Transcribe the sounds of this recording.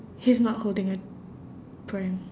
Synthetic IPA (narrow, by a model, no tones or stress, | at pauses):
hiznɔt̚holdɪ̃ŋə | pʰɹãɪ̃m